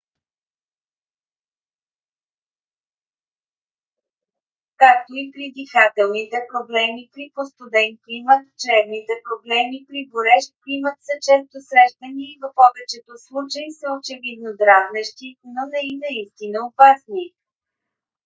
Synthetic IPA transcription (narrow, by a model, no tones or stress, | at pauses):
kak̚t̪oipɾid̪ixat̪ɛlˠnit̪ɛpɾoblɛmipɾipost̪ʊd̪ɛnklimət̪t͡ʃɾɛvnit̪ɛpɾoblɛmipɾiboɾɛʃklimət̪sɐt͡ʃɛst̪osɾɛʃt̪əniːvɐfɔvɛt͡ʃɛt̪oslˠut͡ʃəisəot͡ʃɛvid̪̚nod̪ɾaznɛʃt̪inonɛinɐist̪inəopasni